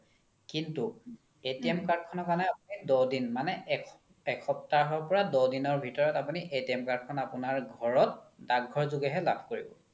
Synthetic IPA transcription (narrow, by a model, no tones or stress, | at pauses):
kintu | etiɛmkaɹd̚kʰɔnɔkanɛapunidɔdinmanɛk | ɛkʰɔp̚taɹɦɔɹpɔɹadɔdinɔɹbʱitɔɹɔtapuniʔetiɛmkaɹd̚kʰɔnapunaɹɡʱɔɹɔt̚daɡʱɔɹzuɡɛɦɛlabʱkoɹibɔ̰